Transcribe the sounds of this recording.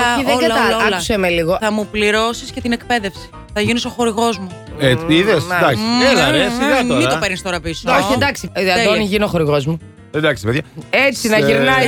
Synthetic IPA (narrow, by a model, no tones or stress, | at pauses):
oiðeɐɐɐusemeliɣoθɐmupliɾo̞siscet̪inekpe̞ðe̞fsi̥ | θɐʝiniso̞xoɾiɣo̞zmu | eiðesd̪ɐkienɐɾesiɐoit̪opeɾnist̪o̞ɾɐpisoçiend̪ɐksiɐðoniʝinioxo̞ɾiɣo̞zmu | end̪ɐksipeðjɐet͡sinɐiɾnɐj